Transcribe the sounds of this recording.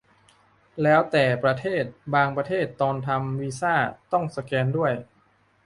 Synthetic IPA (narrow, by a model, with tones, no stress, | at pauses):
lɛː˦˥wt̪ɛː˨˩pɾa˧t̪ʰeː˥˩t̪̚baː˧ŋpɾa˧t̪ʰeː˥˩t̪ːɔː˧nt̪ʰa˧mwiː˦˥saː˥˩t̪ɔ˥˩ŋsa˧kɛː˧ndu˥˩əj